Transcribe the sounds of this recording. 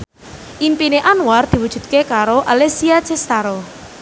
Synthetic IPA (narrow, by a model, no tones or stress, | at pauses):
ʔimpineʔanward̪̥i̤wud̥ʒ̥ṳd̪̚kekaɾoʔalesiat͡ʃɛst̪aɾɔ